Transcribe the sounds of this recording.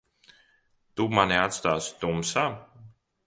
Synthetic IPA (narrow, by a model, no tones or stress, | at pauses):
t̪umaniat̪st̪aːst̪umsa